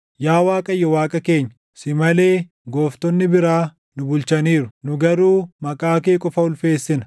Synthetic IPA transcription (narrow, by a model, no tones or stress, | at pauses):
jaːwaːkʼɐjːɔwaːkʼɐkeːɲː | sɪmɐle̞ː | ɡo̞ːft̪ɔnːɪbɪɾaː | nʊbʊlt͡ʃɐniːɾʊnʊɡɐɾuːmɐkʼaːkeːkʼɔfɐʊlfe̞ːsːɪnɐ